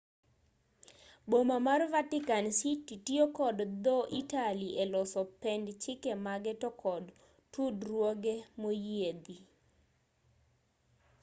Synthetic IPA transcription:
bomamarvatɪkansititiokɔdd̪ɔʔitaliʔelɔsɔpɛndt͡ʃɪkɛmaɡɛtɔkʰɔd | tudrwoɡemojed̪i

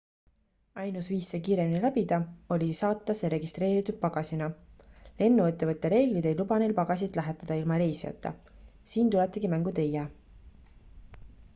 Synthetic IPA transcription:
ɑjnusviːsːekiːɾe̞minilæb̥id̪ɑo̞lʲisɑːt̪ˑːɑseɾe̞ɡist̪ɾe̞ːɾit̪ːˑud̪̥̚pɑɡ̥ɑsinɑle̞nːuet̪ːevɤt̪ːˑe̞ɾe̞ːɡ̥lid̪e̞jlubɑne̞jlpɑɡ̥ɑs̬ʲit̪ˑlæɦet̪ːˑɑd̪̥ɑilmɑɾe̞jsijɑ̰t̪ːˑɑ̰ | siːnt̪ulet̪ˑːiɡ̥imæŋɡut̪ejæ

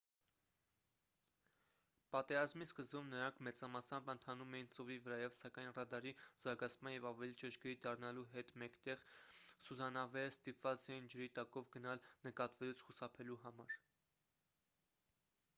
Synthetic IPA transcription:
pɑt̪ɛɾɑzmiskəzbumnəɾɑŋkʰmɛt͡sɑmɑsɑmbənt̪ʰɑnumɛjint͡sɔvivəɾɑjɛvsɑkɑjnrɑd̪ɑɾiz̥ɑɾɡɑt͡sʰmɑnjɛvɑvɛlit͡ʃəʒɡɛɾid̪ɑrnɑluɦɛt̪mɛkt̪ɛʁsuzɑnɑvɛəst̪ipvɑt͡sɛjind͡ʒəɾit̪ɑkɔvɡənɑlnəkɑt̪vɛlut͡sʰχusɑpʰɛluɦɑmɑɾ

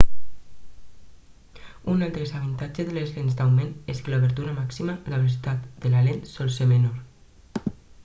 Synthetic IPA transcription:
unalˠt̪ɾesaβint̪ad͡ʒezðelezlenzd̪awmeneskəluβeɾt̪uɾamaksimalaβelos̬it̪at̪d̪̥əlalent̪sɔlsemenoɾ

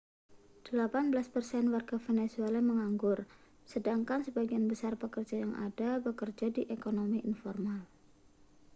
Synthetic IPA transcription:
d̥əlapanbəlaspərsɛnwarɡ̥afenesualeməŋaŋɡʊr | sədaŋkansəbaɡianbəsarpəkərd͡ʒajaŋʔa̰d̥abəkərd͡ʒadiʔekonomiʔinfɔrmal

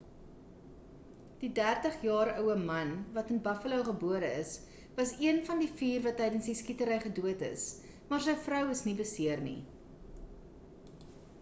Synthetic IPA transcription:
d̥idærtəχjɑːɾœwəmɐnvɐtənbɐfəlowχəbuəɾəəs | vɐsiənfɐndifiːrvɐtːɛjdənsdiskitəɾəjχəduətə̰s | mɑːrs̬əjfrœwəsnibəsiərnḭ

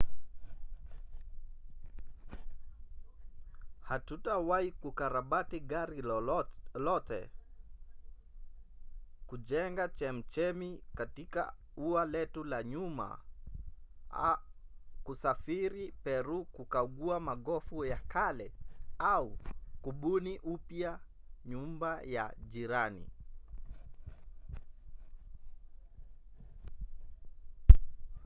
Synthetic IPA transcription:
hatutawaikukaɾaɓatiɠaɾi | lɔtɛ̰ | kuʄɛŋɡat͡ʃɛm̩t͡ʃɛmikatika̰ | ualɛtulaɲuma̰ | kusafiɾipɛɾukukaɠuamaɠɔfujakalɛaukuɓuniʔupja | ɲumbaja̰ʄiɾanḭ

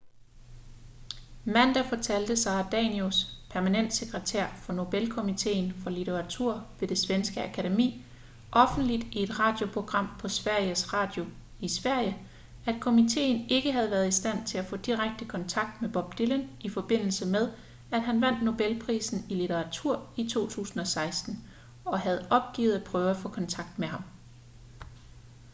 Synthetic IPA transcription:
mæn̰d̥æfɒt͡sʰæl̰d̥əsɑ̈ːd̥ɛ̰niospʰæɐmænen̰d̥se̝ɡ̥ʁət͡sʰeɐ̰fɒ̽no̝b̥elkʰo̝mit͡sʰe̝̰ːnfɒ̽lit͡sʰeʁɑ̈t͡sʰuɐ̰ʋe̝d̥e̝sʋensɡ̥əækʰæɾe̝mḭː | ʔɒ̽fn̩d̥lid̥ie̝d̥ʁɑ̰̈ːd̥jo̝pʰʁo̝ɡ̥ʁɑ̈m̰pʰɒ̽sʋæɐ̰jəsʁɑ̰̈d̥jo̝ | isʋæɐ̰jə | æd̥̚kʰo̝mit͡sʰe̝̰ːn̩e̝ɡ̥əɦæð̞ˠʋæɐðˠisd̥æn̰t͡sʰe̝læfɔ̰̽ːd̥iʁaɡ̥̚d̥əkʰɒ̽nt͡sʰɑ̈ɡ̥̚d̥meb̥ɒ̽b̥̚d̥ilənʔifɒ̽b̥e̝n̰l̩səmeð̞ˠ | æd̥ɦænʋæn̰d̥no̝b̥elpʰʁḭːsn̩ilit͡sʰeʁɑ̈t͡sʰuɐ̰it͡sʰo̝̰ːt͡sʰṵːsn̩ɒ̽sɑ̈ɪsd̥n̩ | ɒ̽ɦæð̞̩ˠʔɒ̽b̥̚ɡ̥ḭːð̞̩ˠæd̥̚pʰʁœːʊæfɔ̽kʰɒ̽nt͡sʰɑ̈ɡ̥̚d̥meɦɑ̈m

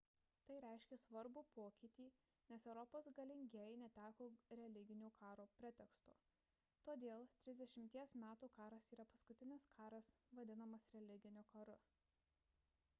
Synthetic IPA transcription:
t̪ɐɪɾʲæˑɪʃʲkʲɛsʋɐɾbuːpoːkʲɪt̪ʲiː | nʲɛsɛʊɾɔpoːsɡɐlʲɪŋʲɡʲeːjnʲɛt̪ʲæːkoːɾʲɛlʲɪɡʲɪnʲuːkʰɑːɾoːpʲɾʲɛt̪ʲɛkst̪o̰ː | t̪oːd̪ʲeːlˠt̪ʲɾʲɪzʲd̪ʲɛʃʲɪmʲt̪ʲiɛsmʲæːt̪uːkɑːɾɐsiːɾɐpɐskʊt̪ʲɪnʲɪskʰɑːɾɐsʋɐd̪ʲɪnɐmɐsɾʲɛlʲɪɡʲɪnʲʊːkɐɾʊ

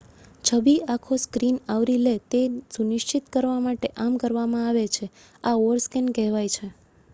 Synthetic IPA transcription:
t͡ʃʰəbiakʰoskɾinaʋɾilet̪esunɪʃt͡ʃit̪kəɾʋamaʈeʔamkəɾʋamãaʋet͡ʃʰe | aoɾskenkɛɦʋajt͡ʃʰe

